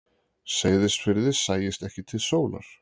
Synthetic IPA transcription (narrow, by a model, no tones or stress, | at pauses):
seːjðɪst̪fɪɾðɪ̥saːjɪst̪ɛhcɪt̪ʰɪlsoːwla̰ɾ̥